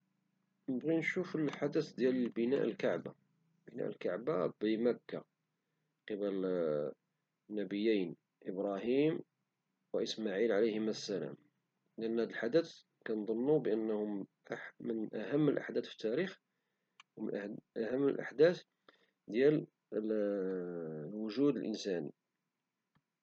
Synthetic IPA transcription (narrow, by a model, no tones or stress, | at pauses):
nəbɣinʃufəlħad̪ət̪d̪jæləlbənæ̰ʔəlkaʕba | bənæ̰ʔəlkaʕbabəmækːa | qəbəl | nːæbəjːijn | ʔəbɾˤɑhim | wəʔəsmaʕilʕaləjhəmæsːælæ̰m | ləʔənːhæd̪əlħad̪it̪ | kænd̪ˤonːubəʔənːhʊm | mənʔæhæmːəlʔa̰ħd̪æt̪fi̥t̪ːæɾix | wmə̰nʔʔæhæmːə̰lʔa̰ħd̪æt̪ | d̪jæl | lwʊʒud̪əlʔə̰nsænḭ